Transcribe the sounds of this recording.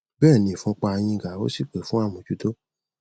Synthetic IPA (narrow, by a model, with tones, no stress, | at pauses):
bɛ˦˨nĩ˨fũ˦k͡pa˧j̃ĩ˧˨ɡa˨o̰˦si˦˨k͡pe˨fũ˦a˦˨mɔ̃˨d͡ʒu˨˦do˦